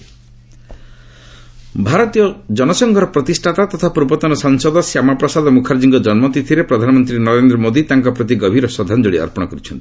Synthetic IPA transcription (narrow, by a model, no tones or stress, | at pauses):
bʱaɾɔt̪ijɔd͡ʒɔnɔsɔŋɡʱɔɾɔpɾɔt̪isʈʰat̪at̪ɔt̪ʰapɾubɔt̪ɔnɔsaŋsɔd̪ʱɔsjamapɾɔsad̪ɔmukʰaɾd͡ʒiŋɡɔd͡ʒɔnmɔt̪it̪ʰiɾepɾɔd̪ʱanɔmɔnt̪ɾinɔɾend̪ɾɔmod̪it̪aŋkɔpɾɔt̪̬iɡɔbʱiɾɔsɔd̪ʱːand͡ʒoɭiɔ̰ɾpɔɽ̃ɔkɔɾit͡ʃʰɔnt̪i̥